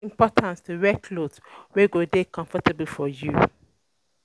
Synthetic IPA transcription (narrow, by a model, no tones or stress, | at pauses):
mpɔtʰãnstʰuɹɛkʰlot | weɡodekɔ̃ɱfətəbəl̩fɔju